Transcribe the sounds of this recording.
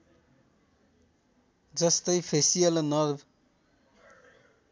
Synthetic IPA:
d͡zʌst̪ʌjpʰesijʌlnʌɾb

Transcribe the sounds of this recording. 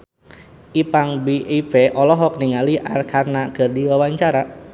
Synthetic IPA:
ʔipaŋbiʔipeʔɔlɔɦɔk̚niŋaliʔarkʰarnakərdiwawaɲt͡ʃaɾa

